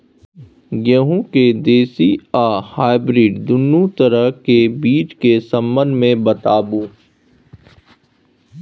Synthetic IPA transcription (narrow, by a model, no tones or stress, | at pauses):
ɡəɦũked̪eːsiaːhaːɪbɾiːɖd̪ʊnːũt̪əɾəɦkebiːt͡ʃkesɐ̃mbə̃nd̪mẽbɐt̪aːbũː